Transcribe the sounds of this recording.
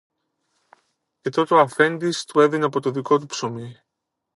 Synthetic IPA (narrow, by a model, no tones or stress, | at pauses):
ce̞t̪o̞t̪oɐfe̞nd̪ist̪ue̞ðinɐpo̞t̪o̞ðiko̞t̪̬upso̞mi